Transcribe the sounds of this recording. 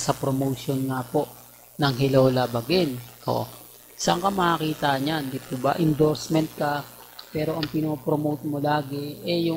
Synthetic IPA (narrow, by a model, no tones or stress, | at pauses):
sɐpɾomowʃonŋapo̞ʔ | nɐŋɦɪloːlɐbɐɡɛno̰ | sɐɐŋkɐmɐhakiːt̪aːʔɲɲannd̪ipubɐ̰ʔɪnd̪oɾsmɛnt̪̚kɐpɛːɾo̞ʔɐŋpɪnoːpɾomowt̪̚molaːɡɛʔɛjʊ